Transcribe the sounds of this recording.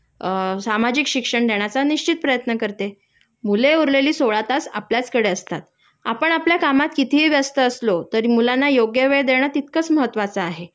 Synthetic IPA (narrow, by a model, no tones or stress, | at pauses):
samad͡ʑikɕikʂəɳd̪eɳ̃at͡saniɕt͡ɕit̪̚pɾəjət̪nəkəɾt̪e | muleuɾleliːsoɭat̪asa̰pljat͡skəɽeəst̪a̰t̪ | apəɳapljakamat̪kit̪ʰiʋjəst̪əːslot̪əɾimulanːajoɡjəʋeɭd̪eɳ̃at̪it̪kət͡sməɦət̪ːʋat͡saːɦe